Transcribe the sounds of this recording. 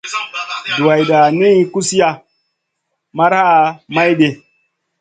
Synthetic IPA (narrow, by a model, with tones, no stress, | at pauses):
du˨wa˨jɗa˨ni˦ku˦si˦ja˦˨ | ma˦ɾha˦˨ma˦jɗe˨